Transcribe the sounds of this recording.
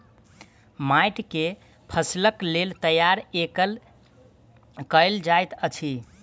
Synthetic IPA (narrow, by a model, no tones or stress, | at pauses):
majʈke | pʰəsləklelt̪əjaɾekəl | kəɪld͡ʒajt̪ət͡ʃʰi